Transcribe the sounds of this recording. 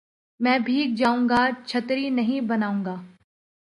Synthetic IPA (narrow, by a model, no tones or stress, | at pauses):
mɛ̃ːbʱiːk̚d͡ʒaːũːŋɡat͡ʃʰɐt̪ɾinɐɦĩbɐnaːũːŋɡaː